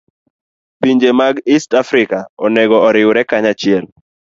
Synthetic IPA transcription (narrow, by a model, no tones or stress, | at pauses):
piɲd͡ʒemaɡistafɾɪkaɔnɛɡɔɔɾɪwʊɾɛkaɲat͡ʃɪɛl